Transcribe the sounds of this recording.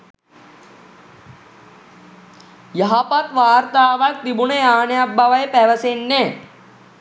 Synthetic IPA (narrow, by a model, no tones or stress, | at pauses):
jɐɦɐpɐt̪ʋaːɾt̪aːʋɐk̚t̪ibuɳeaːnɐjɐbʱɐʋɐjepɛːʋɐsenːe